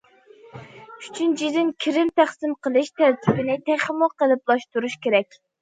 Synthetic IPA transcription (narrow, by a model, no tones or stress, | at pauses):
y̥t͡ʃʰynd͡ʒizɪnkʲʰiɾɪnt̪ʰæχsɪmqʰəlˠɨʃt̪ʰæɾt̪ʰɪbɪnɪt̪ʰæχəmʊqqəlˠɪplˠɑʃt̪uɾuʃkʲeɾɛkʲ